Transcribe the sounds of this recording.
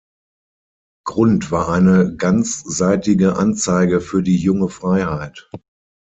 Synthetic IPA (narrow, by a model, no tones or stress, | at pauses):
ɡ̥ʁʊntv̥aːɐʔaɪnəɡant͡sz̥aɪtɪɡəʔa̰nt͡saɪɡəfyːɐdiːjʊŋəfʁ̥aɪhaɪt